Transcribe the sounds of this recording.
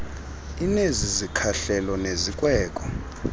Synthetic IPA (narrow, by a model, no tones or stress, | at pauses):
inezizikʰaɬɛlɔnezikʼwɛːkʼɔ